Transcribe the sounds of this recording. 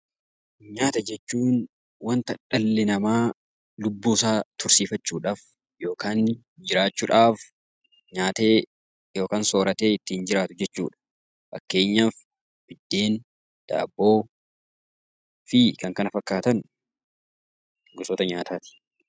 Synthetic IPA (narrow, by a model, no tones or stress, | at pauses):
ɲaːt̪ɐd͡ʒɛt͡ʃːuːn | wɐnt̪ɐᶑɐlːɪnɐmaː | lʊbːuːsaːt̪ʊɾsiːfɐt͡ʃːuːᶑaːf | jo̞ːkaːn | d͡ʒɪɾaːt͡ʃːʊᶑaːf | ɲaːt̪e̞ː | jo̞ːkaːnso̞ːɾɐt̪e̞ːɪt̪ːiːnd͡ʒɪɾaːt̪ʊd͡ʒɛt͡ʃːṵːᶑɐ̥ | fɐ̰kːe̞ːɲːaːf | b̥ɪd̪ːe̞ːn | d̪̥a̰ːbːoː | fɪkɐŋkɐnɐfɐkːaːt̪ɐn | ɡʊsoːt̪ɐɲaːt̪ʰaːt̪ɪ̥